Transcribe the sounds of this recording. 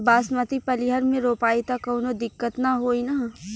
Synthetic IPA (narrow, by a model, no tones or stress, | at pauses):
baːsmət̪ipɐliɦəɾmẽɾoːpaːit̪akɐːnod̪ɪkːət̪naɦoːina